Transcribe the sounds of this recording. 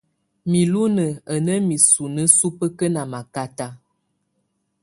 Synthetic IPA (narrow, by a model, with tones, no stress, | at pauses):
mi˨lu˦nə˨ə˨nə˦mi˨su˨nə˦su˦pə˦kə˦na˨ma˨ka˦ta˦